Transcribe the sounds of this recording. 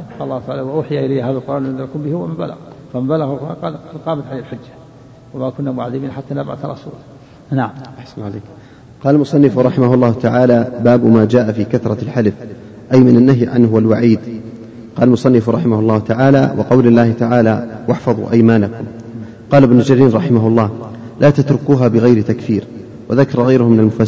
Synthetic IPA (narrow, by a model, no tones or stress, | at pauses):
qɑlːɑːhʊt̪aʕalːwaʔʊːħɪjaʔɪlajːɦaːðalq̪ɑɾˤɑːnand̪ɑlkʊmbɪhʊwamɪmba̰la̰ɣfammbalaɣqɑqɑːmat̪ʕalehlħʊd͡ʒːḁ | wamakʊnːamʊʕaðːɪbiːnħat̪ːaːnabʕa̰θɾˤɑ̰sṵːl | naʕamʔaħsanaleːk | qɑːlalmʊsˤɑnːɪfʊɾˤɑħɪmahʊlˤːɑːhʊt̪aʕaːlaːbaːbʊmaːd͡ʒaːʔafiːkaθɾˤɑlħalɪf | ʔajmɪnanːaɦjʕanhʊwalwaʕiːd̪ | qɑːlalmʊsˤɑnːɪfɾˤɑħɪmahʊlˤːɑːhʊt̪aʕaːla̰wʔɪ̰qɑwlɪlːaːhɪt̪aʕaːlawaħfɑðˤṵʔajmaːnakʊm | qɑːlɪbnʊld͡ʒaɾiːnɾˤɑħɪmaɦʊlˤːɑːh | lʔaːt̪at̪ɾʊkuːɦaːbɪɣajɾɪt̪akfiːɾ | waðakɑɾˤɑɣajɾʊhʊmɪnalmʊfa